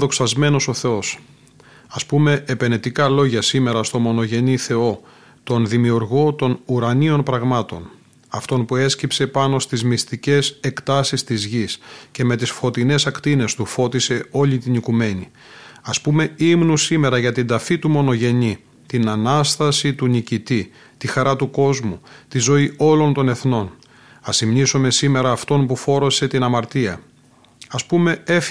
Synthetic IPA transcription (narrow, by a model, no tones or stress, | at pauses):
ðo̞ksɐzme̞no̞so̞θe̞o̞s | ɐspume̞epe̞net̪ikɐlo̞ʝɐsime̞ɾɐst̪o̞mo̞no̞ʝe̞niθe̞o̞ | t̪o̞nðimiuɾɣo̞t̪o̞nuɾɐnio̞npɾɐɣmɐt̪o̞̰n | ɐft̪o̞npue̞scipse̞pɐno̞st̪izmist̪ice̞se̞kt̪ɐsist̪izʝisce̞me̞t̪isfo̞t̪ine̞sɐkt̪ine̞st̪ufo̞t̪ise̞o̞lit̪inikume̞ɲi | ɐspume̞imnusime̞ɾɐʝɐt̪ind̪ɐfit̪umo̞no̞ʝe̞ɲi | t̪inɐnɐst̪ɐsit̪unicit̪i | t̪ixɐɾɐt̪uko̞zmut̪izo̞io̞lo̞nt̪o̞ne̞θno̞n | ɐsimɲisome̞sime̞ɾɐːft̪o̞npufo̞ɾo̞se̞t̪inɐmɐɾt̪iɐ | ɐspume̞ef